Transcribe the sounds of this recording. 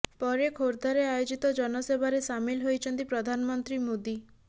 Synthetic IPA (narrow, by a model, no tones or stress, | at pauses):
pɔɾekʰoɾd̪ʱaɾeajod͡ʒit̪ɔd͡ʒɔnɔsebʱaɾesamilɦojt͡ʃʰɔnt̪ipɾɔd̪ʱanɔmɔnt̪ɾimod̪i